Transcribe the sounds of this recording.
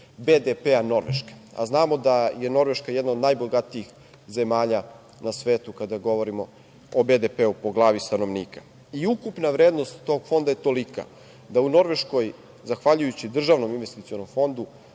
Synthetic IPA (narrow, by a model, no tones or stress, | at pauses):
bed̪epeano̞ɾʋeʃke̥a̰znaːmo̞d̪aje̞no̞ɾʋeʃkajɛd̪naod̪najboɡat̪iix | ze̞maːʎa | nasʋe̞ːt̪ukad̪aɡo̞ʋo̞ɾimo̞ | obe̞d̪epeupoɡlˠaːʋist̪ano̞ʋniːka | iukupnaʋɾeːd̪nost̪ːo̞ɡfo̞nd̪ajet̪o̞lika̰ | d̪auno̞ɾʋe̞ʃko̞j | zaxʋaʎujut͡ɕid̪r̩ʒaːʋno̞minʋest̪it̪sio̞no̞mfo̞nd̪u